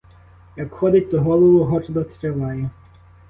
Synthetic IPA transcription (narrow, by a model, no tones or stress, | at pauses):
jɐkxɔd̪ɪt̚ʲt̪ɔɦɔlˠɔʋʊɦɔt͡ʃɐd̪ɔt̪ɾʲɐʋɑjɛ